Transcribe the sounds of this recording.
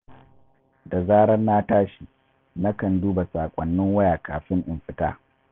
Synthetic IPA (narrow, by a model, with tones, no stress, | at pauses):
da˨zaː˦ɽɐ˦nːaː˦taː˦ʃi˨ | na˦kɐ˨nduː˦ba˨saː˨kʷʼɐ˨nːɪ˦ŋwɐ˦jaː˨kaː˨ɸɪ˦ŋʔɪ˨mɸɪ˨ta̰ː˦